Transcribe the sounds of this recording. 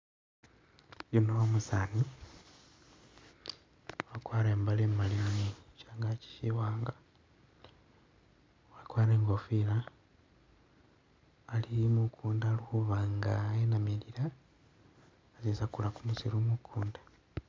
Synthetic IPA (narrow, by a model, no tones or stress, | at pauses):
junoomusani | wakwaːɾeːmbalemalimuniit͡ʃaːŋɡaci̥ʃiwaːŋɡa | wakwaːɾeːŋɡofila | limukʰuːndaːluxuβaŋɡaenamiliɾa | zesakulakumusiɾumukʰuːndḁ